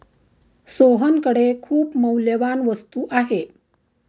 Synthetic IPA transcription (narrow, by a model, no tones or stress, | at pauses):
soɦənkəɽekʰuːpməwljəʋanʋəst̪uːʔaɦe